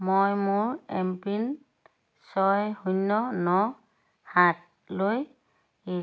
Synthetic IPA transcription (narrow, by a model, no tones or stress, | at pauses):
mojmʊɹɛmpin | sɔjhujnːɔnɔ | hat̚ | loj | i